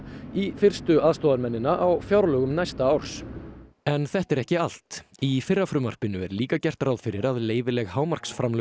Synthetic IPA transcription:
ifɪr̥st̪ʏaðst̪ɔðaɾmɛnːɪnaʔawfjawɾlœːɣʏmnajst̪aawr̥s | ɛnθɛht̪ɛɾɛhcɪal̥t̪ifɪrːafɾʏmar̥pɪnʏɛɾliːkacɛr̥t̪ɾawðfɪɾɪɾaðleːjvɪlɛɣhaːwmar̥ksfɾamlœ

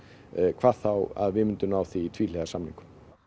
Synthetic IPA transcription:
kʰvaːðθawa̰ðvɪmʏnt̪ʏnawθiːt̪ʰviːlɛɣasamniŋkʏ̥

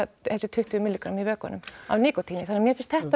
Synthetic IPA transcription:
hɛlsɪt̪ʰʏht̪ʉmɪlikɾamivœːka̰nʏ̰ma̰vniːkɔt̪ʰiːnɪθanːɛɾmjɛɾfɪnst̪hɛht̪a

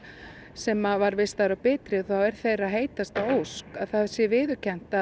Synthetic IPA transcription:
sɛmavaɾvɪst̪aɾawpɪːt̪ɾɪθawɛɾ̥θejraðɦeːjt̪ast̪awowskaðθaðsjɛvɪːðʏ̥cʰɛn̥t̪a

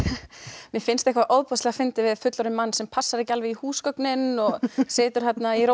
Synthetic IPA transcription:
mjɛfɪnst̪ehkvaʔowðpɔst̪lɛɣafɪnt̪ɪvɪðfʏt̪lɔɾɪmmanːsɛmpʰasːaɾɪcalvɪihuːskœknɪnɔɣseːt̪ʏɾ̥hɛt̪naiɾo

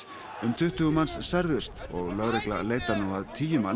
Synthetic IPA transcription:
ʏmt̪ʰʏht̪ʏɣʏmanssaɾðʏst̪ɔɣlœɣɾekla̰leːjt̪anɔhaðt̪ʰiːjʏman

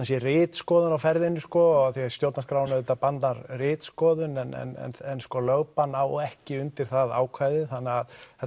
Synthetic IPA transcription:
nsjɛrɪːt̪skɔːðʏnawfɛɾðɪnːʏskɔɣaθiast̪jowt̪naskɾawnʏðɛt̪apant̪aɾrɪːt̪skɔːðʏnɛnɛ̰nɛ̰nɛnskɔlœɣpanawɔɛhcɪʏnt̪ɪɾ̥θaða̰ːwkʰvaːjðɪθanːɛaðɛ

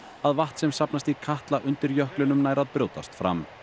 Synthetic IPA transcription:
aðvaht̪sɛmsapnast̪ikʰaht̪laʔʏnt̪ɪɾjœhklʏnʏmnaːjɾaðpɾjoːwt̪ast̪fɾa̰m

